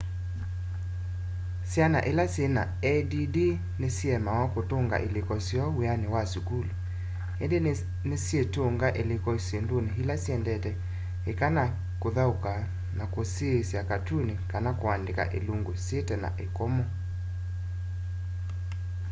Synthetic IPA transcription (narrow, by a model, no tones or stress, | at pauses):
sjana̰ʔelasjena̰ɛdidi | nesiɛmawakotoŋɡa̰ʔelekɔsjɔweanewasukulo | ɛ̰nde | nesietoŋɡaʔelekɔsendoneɦilasjɛndɛtɛ | ekana | koðauka | nakosesjakatunekanakoandeka̰ʔḛluŋɡosetɛna̰ʔekɔmɔ